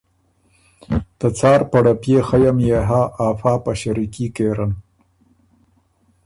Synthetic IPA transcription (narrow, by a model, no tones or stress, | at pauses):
d̪̥ət͡sɑːɾpaɽapjexajamjeɦaːʔːfɑːpaʃaɾikikeɾan